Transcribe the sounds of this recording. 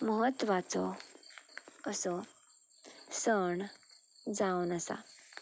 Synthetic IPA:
məɦət̪ʋat͡so | əsɔ | səɳ | d͡zaunəsa̰

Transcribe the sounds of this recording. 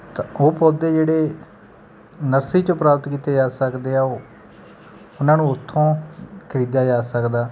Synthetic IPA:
t̪aoːpoːd̪eːd͡ʒeːɽeː | nəɾsiːt͡ʃõpɾaːpət̪kiːt̪eːd͡ʒaːsəkd̪eːaːoː | ʊnãːnũːʊt̪ʰːõːkʰəɾiːd̪aːd͡ʒaːsəkd̪aː

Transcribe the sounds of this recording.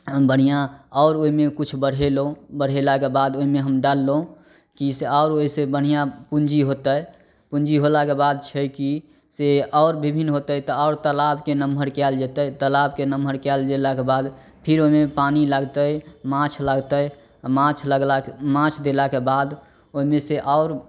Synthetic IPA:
bəɽ̤ijãɔːɾoɦimekut͡ʃʰbəɽ̤elõbəɽ̤elakebad̪oɦimeɦəmɖalːõ | kiseɔʊɾoɦisebəɽ̤ijãpund͡ʒiɦot̪əj | pund͡ʒiɦolakebad̪̚t͡ʃʰəki | seɔʊɾbibʱinɦot̪ət̪ɔɔʊɾt̪əlabkenəmbʱəɾkɛld͡ʒet̪ət̪əlabkenəmbʱəɾkɛld͡ʒelakebad̪ | pʰiɾoɦimepanilaɡt̪əjmãt͡ʃʰləɡt̪əj | mãt͡ʃʰləɡlamãt͡ʃʰd̪elakebad̪ | oɦimeseʔɔʊɾ

